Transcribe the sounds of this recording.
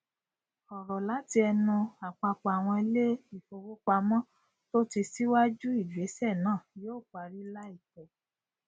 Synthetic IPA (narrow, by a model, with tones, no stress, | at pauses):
ɔ˨ɾɔ˨la˨˦ti˧ɛ˧nũ˧a˨k͡pa˧k͡pa˨a˨w̃ɔ̃˧i˧le˦i˦˨fo˧wo˦k͡pa˧mɔ̃˦ | to˦ti˧si˦wa˦d͡ʒu˦i˦˨d͡ʒu˨e˨˦sɛ˦˨nãː˦˨joː˦˨k͡pa˧ɾi˦la˦i˦˨tɛ˨